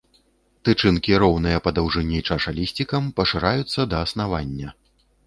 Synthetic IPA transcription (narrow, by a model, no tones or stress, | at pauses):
t̪ɨt͡ʂɨnkʲiɾɔwnɨjɐpɐd̪awʐɨnʲit͡ʂaʂalʲisʲt͡sʲikɐmpɐʂɨɾajut̪sːɐd̪ɐːsnavanʲːɐ